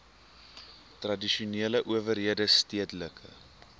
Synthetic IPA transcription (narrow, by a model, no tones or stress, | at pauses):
trɐdiʃuneələʔuəvərɦiədəstiətələkʰə̰